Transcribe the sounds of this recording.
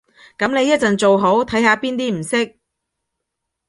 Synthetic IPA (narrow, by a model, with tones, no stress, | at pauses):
kɐ˨˥mne˨˧jɐ˥t̚t͡sɐ˨nt͡so˨wɦo˨˥wt̪ʰɐ˨˥jɦaː˨˧piː˥nt̪iː˥m̩˨˩sɪ˥k̚